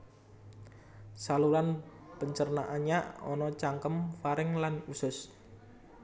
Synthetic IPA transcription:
saluɾan | pəɲt͡ʃərnaʔanɲaɔ̰nɔt͡ʃaŋkəmfaɾɪŋlanusʊs

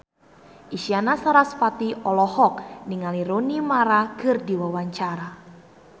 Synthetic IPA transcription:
ʔiʃianasaɾaspat̪iʔɔlɔhɔk̚niŋaliɾonimaɾakɨrdiwawaɲt͡ʃaɾa

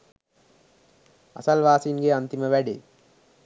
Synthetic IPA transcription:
ɐ̰sɐlʋaːsinɡeɐnt̪iməʋæɖḛ

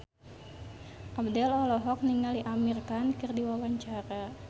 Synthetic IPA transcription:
ʔabdɛlɔlɔɦɔk̚niŋaliʔamirkankɨrdiwawaɲt͡ʃaɾa

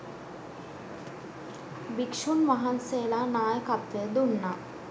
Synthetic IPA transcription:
bikʂunʋaɦansejlanaːjəkat̪ʋeəd̪unːa

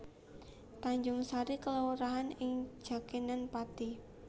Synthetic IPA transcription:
t̪aɲd͡ʒʊŋsaɾikəlawɾaɦanɪŋ̥d͡ʒ̥a̤kinanpat̪i

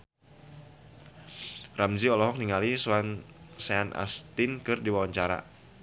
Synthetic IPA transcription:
ramziɔlɔɦɔk̚niŋaliswansaanʔa̰st̪ɪnkɨrdiwawaɲt͡ʃaɾa̰

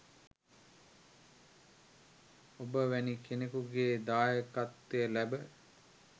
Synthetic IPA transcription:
obəʋænikenekuɡeːd̪aːjəkat̪ːejəlæbə

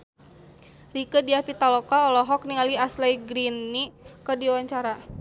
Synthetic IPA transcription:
rikədiapit̪alɔkaɔlɔɦɔk̚niŋaliaslajɡɾinːikərdiwaɲt͡ʃaɾa

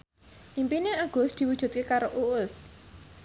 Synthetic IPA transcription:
ʔimpineaɡ̥ʊ̤sd̪̥i̤wudʒ̥ṳt̪̚kekaɾoʔuʊs

